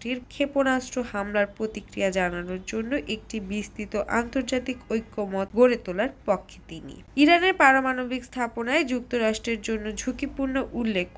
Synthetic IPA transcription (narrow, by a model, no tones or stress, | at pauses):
ʈiɾkʰeponasʈɾohamlaɾpɾot̪ikɾijad͡ʑananoɾd͡ʑonːoʔek̚ʈibist̪it̪oʔant̪oɾd͡ʑat̪ikojkʰːomɔt̪ɡoɾet̪olaɾpɔkʰːe̥t̪inḭ | iɾaneɾpaɾomanobʱikst̪ʰaponaed͡ʑuk̚t̪oɾaʃʈɾeɾd͡ʑonːod͡ʑʱukipuɾnoʔulːekʰː